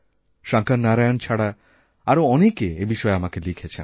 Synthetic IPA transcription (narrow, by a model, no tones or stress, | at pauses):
ʃaŋkaɾnaɾajont͡ɕʰaɽa | aɾoɔnekeebiʃɔeamakelikʰet͡ɕʰḛn